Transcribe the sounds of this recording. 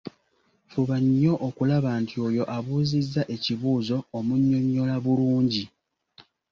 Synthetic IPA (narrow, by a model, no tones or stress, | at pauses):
fuβaɲːo̞ʔokulaβaːntʰio̞ːjo̞ʔaβuːzizːaʔe̞ciβuːzo̞ːmuɲːo̞ɲːo̞laβuluːɲɟi